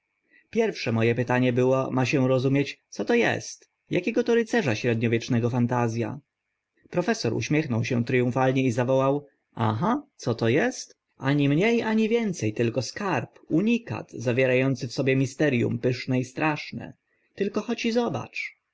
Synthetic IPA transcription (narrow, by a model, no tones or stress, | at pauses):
pʲjɛɾfʂɛmɔjɛpɘt̪aɲɛbɘwɔmaɕɛɾɔzumʲjet͡ɕt̪sɔt̪ɔjɛ̰st̪ | jakʲɛɡɔt̪ɔɾɘt̪sɛʐaɕɾɛd̪ɲɔvʲjɛt͡ʂnɛɡɔfant̪azʲja̰ | pɾɔfɛsɔɾṵɕmʲjɛxnɔwɕɛt̪ɾɘjũfalɲɛizavɔwaw | a̰ɦat̪sɔt̪ɔjɛst̪ | aɲimɲejaɲivʲjɛnt̪sɛjt̪ɘlkɔskaɾpuɲika̰t̪zavʲjɛɾajɔnt̪sɘfsɔbʲjɛmʲist̪ɛɾjṵmpɘʂnɛist̪ɾʔaʂnɛ̰ | t̪ɘlkɔxɔt͡ɕizɔba̰t͡ʂ